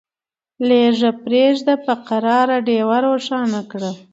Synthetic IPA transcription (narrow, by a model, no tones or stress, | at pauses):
leʐapɾeʒd̪apəqaɾɑɾaɖewaɾoʃɑnakɽə